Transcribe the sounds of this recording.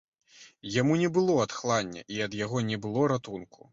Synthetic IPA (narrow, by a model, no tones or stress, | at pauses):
jamunʲɛbɨlˠɔɐt̪xlˠanʲːɐ̰ʔiɐd̪jaɣɔnʲɛbɨlˠɔɾat̪unkʰu̥